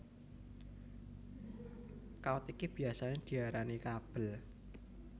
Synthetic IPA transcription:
kaʊt̪ikib̥i̤asaɲed̪̥iaɾanikab̥ə̤l

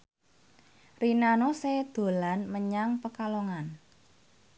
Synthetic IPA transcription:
rinanosed̪̥o̤lanməɲaŋpəkaloŋan

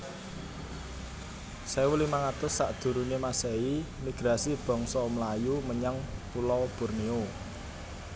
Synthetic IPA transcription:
sawulimaŋat̪ʊsːa̰ʔd̪̥ṳɾunemasei | miɡ̥ɾasib̥ɔ̤ŋsɔmlajuməɲaŋpulɔb̥ṳrneo

